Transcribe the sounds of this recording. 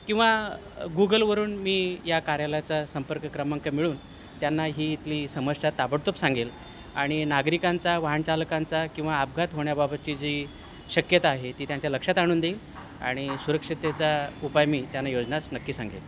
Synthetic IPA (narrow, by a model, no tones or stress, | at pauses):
kĩw̃ʋa | ɡuɡəlʋəɾuːnmiːjakaɾjaljat͡sasəmpəɾkəkɾəmaŋkəmiɭuːn | t̪janːaɦiːt̪liːsəməssat̪ːabəɽt̪opsaŋɡel | aɽ̃inaɡɾikant͡saʋaɦaɳt͡ɕaləkant͡sakĩw̃ʋaːpɡʱat̪ɦoɳjababət̪̚t͡ɕid͡ʑiː | ɕəkjət̪aːɦet̪iːt̪jaɲt͡ɕjaləkʂat̪aɽ̃uːnd̪eːl | a̰ɽ̃isuɾəkʂit̪et͡saupajmiːt̪janːajod͡znasnəkːiːsã̰ŋɡḛl